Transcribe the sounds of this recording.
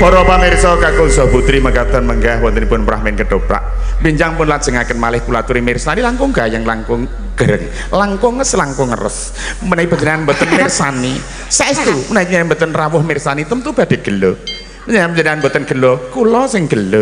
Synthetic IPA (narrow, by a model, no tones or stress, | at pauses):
bɔɾɔpamɪrsɔkakosɔbut̪ɾiməkat̪ənməŋɡahwɔnt̪ənipʊnpɾa̰ɦmɪnkəɖ̥opɾa̰ʔbiɲd͡ʒaŋpʊnlad̥ʒ̥ə̤ŋakənmalɪhkulat̪uɾimɪrsanilaŋkʊŋɡajaŋlaŋkʊŋ | ɡ̥əɾəŋ | laŋkɔŋəslaŋkɔŋə̰rə̰s | mənaib̥ə̤ɲd͡ʒənianbət̪ənmɪrsani | saʔist̪umnajk̚ɲambət̪ənrawʊhmɪrsanit̪əmt̪ub̥a̤d̥e̤ɡ̥ə̤lo | pəɲəiapəd͡ʒəniŋanmbət̪ənɡ̥ə̤lokulɔsɪŋɡ̥ə̤lo